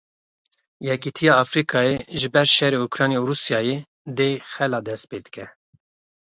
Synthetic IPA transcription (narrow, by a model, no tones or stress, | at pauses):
jɛkit̪ʰijɑːfɾikʰɑːjeʒɨbɛɾʃɛɾeukɾɑːnjeuɾuːsijɑːje | d̪eːxɛlɑːd̪ɛst̪̚peːd̪ɨ̥kɛ